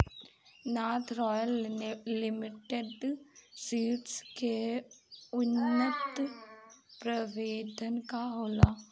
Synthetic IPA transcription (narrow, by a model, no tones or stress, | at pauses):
naːt̪ʰɾɔːjəllɪmɪʈeɖsiːʈske | ʊnːət̪ | pɾəʋeːd̪ənkaɦoːlaː